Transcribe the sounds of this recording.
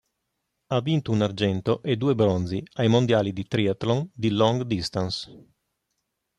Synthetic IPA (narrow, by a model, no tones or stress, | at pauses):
avːint̪ounard͡ʒɛnt̪oʔed̪uːebɾonziajmond̪jaːlid̪it̪ɾiat̪lond̪ilɔŋɡd̪ist̪ans